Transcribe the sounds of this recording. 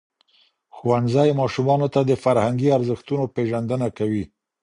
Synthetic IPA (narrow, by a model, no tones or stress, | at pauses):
xuwanzajmɑʃumɑnot̪ad̪əfaɾhaŋɡiaɾzəxt̪unopeʒand̪ənakawi